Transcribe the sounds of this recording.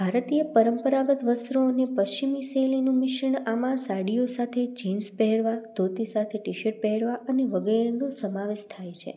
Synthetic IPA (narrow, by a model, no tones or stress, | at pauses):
bʱaɾt̪ijəpəɾəmpəɾaɡət̪ʋəst̪ɾoːnepəʃt͡ʃimiselinũmɪʃəɳamãsaɽijosat̪ʰed͡ʒinspɛɦɛɽʋad̪ʱot̪isat̪ʰeʈiʃəʈ̚pɛɦɛɽʋaʔəneʋəɡɛɾenosəmaʋeʃt̪ʰajt͡ʃʰḛ